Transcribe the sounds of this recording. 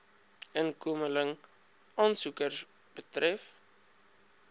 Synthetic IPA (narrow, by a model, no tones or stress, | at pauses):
ənkuəmələŋ | ɑːnsukərs | b̥ətrɛf